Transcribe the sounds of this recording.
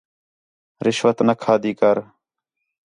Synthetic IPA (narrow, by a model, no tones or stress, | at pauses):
ɾɪʃʋət̪nəkʰaːd̪iːkəɾ